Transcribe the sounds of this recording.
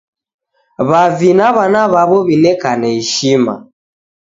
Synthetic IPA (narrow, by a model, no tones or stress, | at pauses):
βavinaβanaβaβɔβilɛkanɛiʃima̰